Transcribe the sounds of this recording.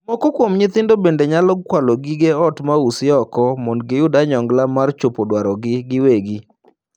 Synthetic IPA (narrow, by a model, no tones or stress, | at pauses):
mɔkɔkwomɲɪt̪ɪndobendeɲalɔɡ̚kwalɔɡiɡeɔtmausɪɔkɔmɔndɡɪjʊdaɲɔŋɡlamart͡ʃopodwaɾɔɡɪɡɪweɡi